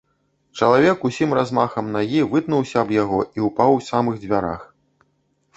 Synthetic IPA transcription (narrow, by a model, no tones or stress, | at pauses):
t͡ʂɐlˠavʲɛkusʲimrazmaxɐmnaɣʲivɨt̪nuwsʲɐːbjaɣɔiupawsamɨɣd͡zʲvʲaɾa̰x